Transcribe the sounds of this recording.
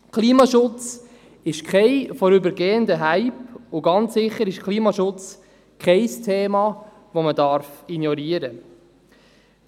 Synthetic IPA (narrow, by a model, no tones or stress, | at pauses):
kliːmɑʃʊt͡s | ɪʃkχɛɪfɔɾybəɾɡeːəndəɦæɪpʊɡɑnt͡sːɪχːəɾɪʃkʰliːmɑʃʊt͡s | kχɛɪstʰeːmɑ | ʋomədɑɾfinjɔɾiəɾə